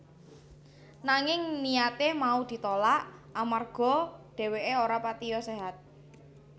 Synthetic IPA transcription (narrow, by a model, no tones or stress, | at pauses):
naŋɪŋnijat̪emaud̪̥i̤t̪olaʔamarɡ̥ɔ̤ɖ̪̥ɛ̤weʔeoɾapat̪ijɔseɦat̪̚